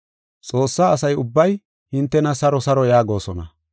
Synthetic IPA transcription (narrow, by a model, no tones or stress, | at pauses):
t͡sʼo̞ːsːaːɐsɐjʊbːɐj | hɪnt̪ːɛnɐsɐɾɔsɐɾɔjaːɡo̞ːsɔnɐ̰